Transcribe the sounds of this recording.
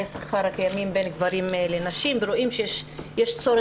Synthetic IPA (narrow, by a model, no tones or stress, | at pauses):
esaχaɾhakajamimbenɡvaɾimlenaʃimveɾoʔimʃejeʃjeʃt͡soɾe